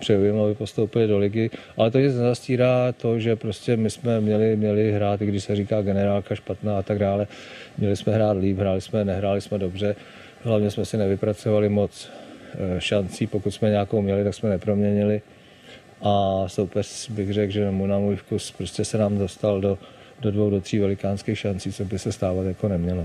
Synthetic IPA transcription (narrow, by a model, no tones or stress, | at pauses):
pr̥ɛujɛmabɪpo̞st̪owpɪlɪdo̞lɪɡɪʔalɛt̪oɲɪt͡snɛzasciːɾaːt̪o̞ʒɛpɾoscɛmɪsmɛmɲɛlɪmɲɛlɪɦɾaːt̪ɪɡdɪʃsɛriːkaːɡɛnɛɾaːlkaʃpat̪naːat̪aɡdaːlɛmɲɛlɪsmɛɦɾaːt̪liːpɦɾaːlɪsmɛnɛɦɾaːlɪsmɛdo̞br̝ɛ | ɦlavɲɛsmɛsɪnɛvɪpɾat͡so̞valɪmo̞t͡s | ʃant͡siːpokut̪smɛɲɛakowmɲɛlɪt̪aksmɛnɛpɾo̞mɲɛɲɪlɪ | ʔaso̞wpɛr̥bɪɣrɛɡʒɛnmujnamuːjfkuspɾo̞scɛsɛnaːmdost̪aldo | dodvowdo̞t̪r̝̥iːvɛlɪkaːnskiːxʃant͡siːt͡sobɪsɛst̪aːvat̪jakonɛmɲɛlo